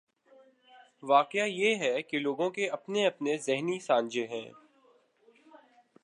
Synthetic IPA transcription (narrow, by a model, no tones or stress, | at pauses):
ʋaːqɪjajeɦɛkeloːɡõkeɐpneɐpnezɪɦnisãːnd͡ʒeɦɛ̰̃ː